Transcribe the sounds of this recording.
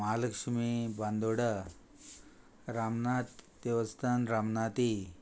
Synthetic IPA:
maləkʂimiband̪oɽə | ɾamnat̪d̪eʋəst̪ʰanɾamnat̪i

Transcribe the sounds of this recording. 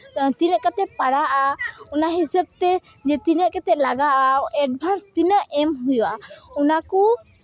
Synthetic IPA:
t̪inəʔkat̪ɛpaɽaʔaɔnaɦɛsəb̚t̪ɛd͡ʒɛt̪inəʔkat̪ɛlaɡaʔaɛɖ̚bʱanst̪inəʔɛmɦujuʔaɔnaku

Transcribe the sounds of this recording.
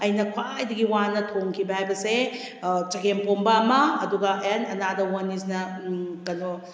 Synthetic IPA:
ɐjnɐkʰwajdɐɡiwanːɐtʰoŋkʰibɐhajbɐse | t͡ʃɐɡempombɐːmɐɐduɡɐʔenɐnadɐwɐnisnɐkɐno

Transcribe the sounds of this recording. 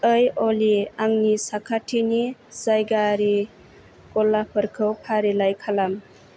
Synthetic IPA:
əjɔliaŋnisakʰatʰiniz̥ajɡaɾi | kɔlːapʰəɾkʰɯwpʰaɾilajkʰalam

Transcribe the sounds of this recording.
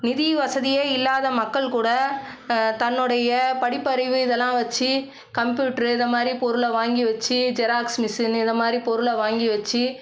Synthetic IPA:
nɪðiʋɐsɐðɪjeːɪlːaːðɐmɐkːɐɭkuːɽɐ | t̪ɐnːɯɽɐjɐpɐɽɪpːɐɾɪʋɯɪðɛlːãːʋɐt͡ʃːi | kɐmpjuːʈɐɾɯɪnd̪ɐmaːd̪ɾipɔɾɯɭɐʋaːŋɡiʋɐt͡ʃːid͡ʒɛɾaːksmɪsɪnɪnd̪ɐmaːd̪ɾipɔɾɯɭɐʋaːŋɡiʋɛt͡ʃːi

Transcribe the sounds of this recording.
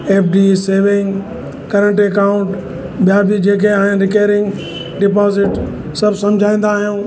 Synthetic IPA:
eːpʰɖiːseːʋɪ̃ŋɡ | kɐɾə̃ɳʈekaːʊ̃ɳʈ | ɓijabʱid͡ʑeːkʰeaːɦɪ̃nɾɪkaːɾɪ̃ŋɡ | ɖɪpɔːzɪʈ | sɐbsɐ̃md͡ʑʱaːĩːn̆d̪aːɦijũː

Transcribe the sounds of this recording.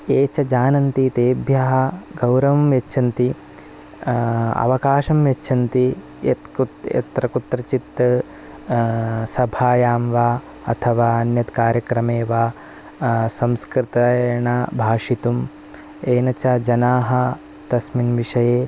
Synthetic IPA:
eːt͡ʃɐd͡ʒaːnɐnt̪it̪eːbʱjɐɦɐ̆ɡɐwɾɐʋɐmjɐtːʃʰɐnt̪i | ɐ̰ʋɐkaːʃɐmʋjɐt͡ʃːʃʰɐnt̪i | jet̪kuɐ̰t̪ɾɐkut̪ɾɐt͡ʃit̪ | sɐbʱaːjaːmʋaː | ɐ̰t̪ʰɐʋaːɐnjɐt̪kaːɾjɐkɾɐmeːʋaː | sɐ̃mskɾit̪ɐɐɳɐbʱaːʂit̪um | eːnɐt͡ʃɐd͡ʒɐnaːɦɐ̆ | t̪ɐsminʋiʂɐjeː

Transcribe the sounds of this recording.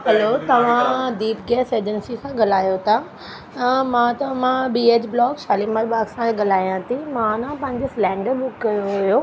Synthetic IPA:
ɦɐloːt̪ɐʋ̤ãd̪iːpɡɛːseːd͡ʑənsikʰãːɠɐl̤aːjot̪ʰa | t̪ɐmãːt̪ɐmãbiːeːd͡ʑblɔːkʃaːlimaɾbaːksãt̪eɠɐl̤aːijãt̪ʰimãnãpɐ̃ɦɪ̃ɲd͡ʑoslɛ̃ːɖəɾɓʊkːɐjoɦʊjoː

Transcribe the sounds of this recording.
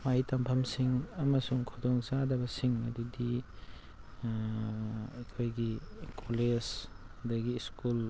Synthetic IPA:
majtɐmpʰɐmsiŋɐmɐsuŋkʰɔdɔŋzadɐbɐsiŋɐdudi | akʰojɡikʰɔles | dɐɡiskul

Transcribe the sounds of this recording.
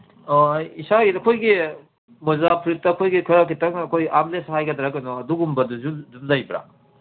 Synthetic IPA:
isaɡitɐkʰojɡi | mɔzapʰɾit̚takʰojɡikʰɯɾakitɐŋɐkʰojamlesaɦajɡadɾakɐnɔɐduɡumbɐduzudumdajbɾa̰

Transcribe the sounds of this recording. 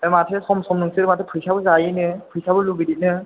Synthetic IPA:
ematʰesɔmsɔmnɯŋsɯɾmatʰepʰɯjsabɯzajinɯpʰɯjsabɯlubidit̚nɯ

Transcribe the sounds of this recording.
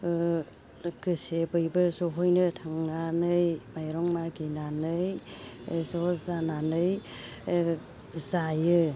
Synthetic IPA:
ɡɯsebɯjbɯɾzɔɦɔjnɯtʰaŋnanɯjmajɾɔŋmaɡinanɯj | zɔzananɯj | zajɯ

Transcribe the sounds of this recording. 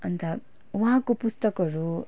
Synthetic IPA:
ʌnt̪a | waɦãkopust̪ʌkɦʌɾu

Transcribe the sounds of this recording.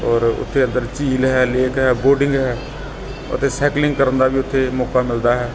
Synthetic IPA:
ɔːɾʊ̰t̪ʰːeːənd̪əɾt͡ʃiːlɦɛːleːkɦɛːboːɖɪŋɡɦɛː | ʊ̰t̪eːsɛːklɪŋɡkəɾənd̪aːbiːʊt̪ʰːeːmɔːkaːmɪld̪aːɦɛː

